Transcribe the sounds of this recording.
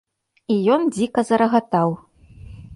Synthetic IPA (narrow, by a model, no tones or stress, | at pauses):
ijɔnd͡zʲikɐzɐɾɐɣat̪aw